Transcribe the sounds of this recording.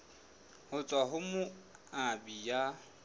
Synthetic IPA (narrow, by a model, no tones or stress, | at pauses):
hʊt͡sʼwaɦʊmʊabija